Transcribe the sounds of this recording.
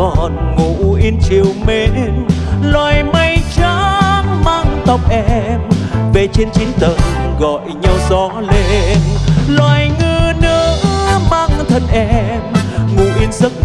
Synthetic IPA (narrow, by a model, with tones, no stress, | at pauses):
ɔ˨˩nŋu˧˨ʔi˧nt͡ɕi˨˩əwme˧nlwaː˨˩jmə˧jt͡ɕa˧˦maː˧ŋt̪ə˨˩wk͡p̚ʔɛ˧mve˨˩t͡ɕe˧nt͡ɕi˨˦nt̪ə˨˩nɣɔ̰˧˨jɲa˧wzɔ˨˦le˧nlwaː˨˩jŋɨ˧nɨ˧˦əmaː˧ŋt̪ʰə˧nʔɛ˧mŋṵ˧˩ʔi˧ənzə˦˥k̚